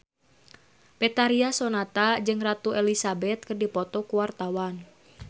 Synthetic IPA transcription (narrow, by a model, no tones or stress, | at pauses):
pɛt̪aɾiasɔnat̪ad͡ʒɨŋrat̪uɛlisabɛt̪̚kɨrdipɔt̪ɔkuwart̪awan